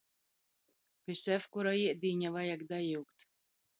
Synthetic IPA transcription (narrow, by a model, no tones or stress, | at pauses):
pʲisæfkuɾaiɛd̪ʲiːɲʲavajakd̪ajiwkt̪